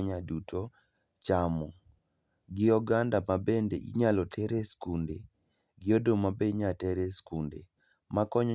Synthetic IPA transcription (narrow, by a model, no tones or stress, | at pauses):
ɲadutʰo | t͡ʃamɔ | ɡɪɔɡandamabendeʔḭɲalɔtʰɛɾeskunde | ɡɪodomabeɲatɛɾeskundḛ | makɔɲ